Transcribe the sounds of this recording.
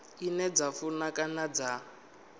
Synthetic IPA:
inɛd͡zafunakʼanad͡za

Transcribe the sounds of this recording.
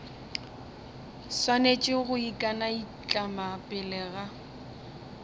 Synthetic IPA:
swanet͡ʃʼɪɣʊikʼanai | t͡ɬʼamapʼɪlɛːɣa

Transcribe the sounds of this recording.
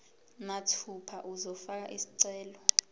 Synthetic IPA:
natʰupʰaʔuzɔfak̬a̰ʔisiǀɛːlɔ

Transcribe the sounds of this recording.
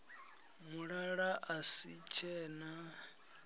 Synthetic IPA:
muɺaɺaʔasit͡ʃʰɛːna

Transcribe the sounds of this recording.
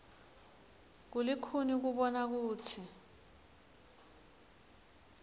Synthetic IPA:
k̬ulikʰunik̬uɓɔnak̬uːtʰi

